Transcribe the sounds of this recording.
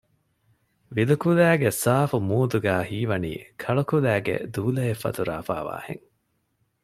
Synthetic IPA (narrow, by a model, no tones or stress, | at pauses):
ʋilukulæːɡesaːfumuːd̪uɡæːhiːʋɐnḭːkʰɐɭukulæːɡḛd̪uːlɐefːɐ̰t̪uɾa̰ːfa̰ːʋa̰ːhḛŋ